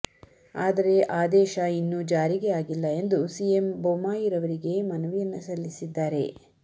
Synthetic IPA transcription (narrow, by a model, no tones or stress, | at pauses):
aːd̪ɐɾe̞ʔaːd̪ɛːʃɐinːud͡ʒaːɾiɡejaːɡilːɐe̞nd̪usijembomaːjiɾɐʋɐɾiɡe̞mɐnɐʋijɐnːɐsɐlːisid̪ːaːɾe̞̰